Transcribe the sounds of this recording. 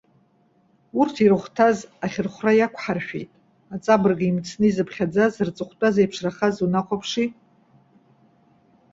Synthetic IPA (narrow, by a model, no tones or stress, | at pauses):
urtʰiɾɨχʷtʰazaχʲɪrχʷrajakʷʰħarʃᶣejtʼ | at͡sʼabɨrɡaimt͡sʰnɨizɨpʰχʲad͡zazrt͡sʼɨχʷtʼazejpʰʂraχazunaqʷʰʼapʰʂi